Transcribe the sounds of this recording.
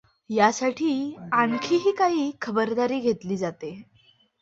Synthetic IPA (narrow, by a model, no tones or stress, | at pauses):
jasaʈʰiːaŋkʰiːɦiːkaɦiːkʰəbəɾd̪aɾiːɡʱet̪liːd͡zat̪e